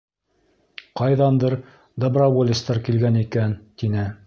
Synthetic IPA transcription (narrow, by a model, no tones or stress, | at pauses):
qɑjðɑnd̪ɤɾ | d̪əbrawolʲist̪ɑɾkilɡænikænt̪inɘ